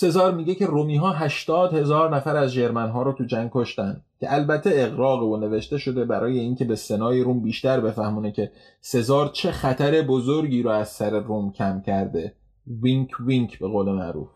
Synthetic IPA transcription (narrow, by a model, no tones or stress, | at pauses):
se̞zɒːɾmiːɟecʰe̞romiːɦɒːɦæʃt̪ɒːd̪he̞zɒːɾnæfæɾæzd͡ʒe̞ɾmænɦɒːɾot̪ʰud͡ʒæŋɡ̚kʰo̞ʃt̪ænd̪cʰʲe̞ʔælbæt̪ʰːe̞ːɣɾɒːɣevone̞ve̞ʃt̪e̞ʃo̞d̪e̞bæɾɒːje̞iːncʲʰe̞be̞se̞nɒːjiɾuːmbiːʃt̪æɾbe̞fæhmuːnecʰʲe̞ | se̞zɒːɾt͡ʃʰe̞xæt̪ʰæɾe̞bozoɾɟiːɾɔæz̥sæɾeɾumcʰæmcʰæɾd̪e̞ | viŋkʰviŋkʰbe̞ɣoːle̞mæ̰ʔɾṵːf